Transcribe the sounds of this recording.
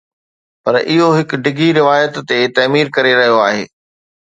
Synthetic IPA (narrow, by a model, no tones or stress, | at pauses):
pɐɾʔɪɦoɦɪkɖɪɡʱiɾɪʋaːjət̪ːet̪ɐːmiːɾkɐɾeɾɐɦijoaːɦḛː